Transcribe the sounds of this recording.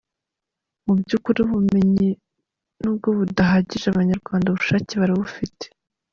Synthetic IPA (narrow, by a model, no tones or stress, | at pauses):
mubɟuːkuɾiβume̞ɲi | nuːb̚ɡo̞βudaɦaɟiʒaβaɲaɾɡwaːndaβuʃaːciβaɾiβufite̥